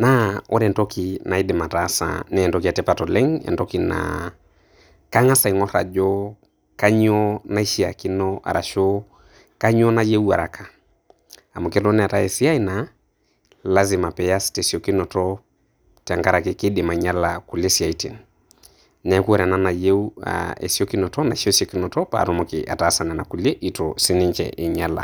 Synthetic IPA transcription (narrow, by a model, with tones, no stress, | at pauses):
na˦ɔ̰˦ɾɛ˨ntɔ˦ki˨na˨i˦dɪ˨ma˨tasa̰nɛː˦˨ndɔ˦ki˨a˨tɛ˦pa˨tɔ˨lɛ˦ŋɛ̰˨ndɔki˨na̰ | ka˦ŋa˦sa˨i˨ŋɔ˦ɾa̰˨d͡ʒɔ˦ | ka˦ɲɔ˦na˦i˦ʃi˦a̰˨ki˦nɔa̰˨ɾa˨ʃɔ˦ | ka˦ɲɔ˦na˦je˦u˦a̰˨ɾa˨kʰa˨ | a˨mo˨kɛ˦lɔ˦nɛ˨a˨ta˦ɛ˨si˦a˦i˦na | la˦zɪ˨ma˨pɛ˨ja˦stesi˨o˨ki˦nɔ˨tɔ˦ | ta˨ŋɡa˦ɾa˨kɪkɪ˦dɪ˨ma˨ɲa˦laku˨le˦si˨a˨i˦ti˨n | nɛ˨˦ku˦ɔ˦ɾɛ˨na˦na˨je˦ua̰ḛ˨si˦o˦ki˦nɔ˨tɔ˦na˨ʃo˦si˦ɔ˨kɪ˦nɔ˨tɔ˦pa̰˨ɾɔ˦mo˨kɪ̰ʔa̰˨tasa˨nɛ˨na˨ku˨le˦ʔi˨tɔsɪ˦nɪ˦ɲt͡ʃɛ̰ʔɪ˨ɲa˦la̰˨